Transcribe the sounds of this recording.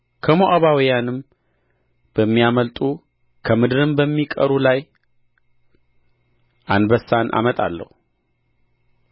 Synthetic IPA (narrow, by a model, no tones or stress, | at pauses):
kʰəmoʔaβawijanɨm | b̥əmːijaməlt̪ʼu | kʰəmɨd̪ɨɾɨmbəmːikʼə̰ɾulaj | ʔanbəsanʔa̰mət̪ʼa̰lːə̰hu